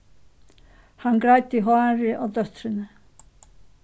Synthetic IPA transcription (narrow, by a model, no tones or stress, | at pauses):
hankɾajt̪ɪɦoaːɾɪʔɔwt̪œht̪ɾʏnʏ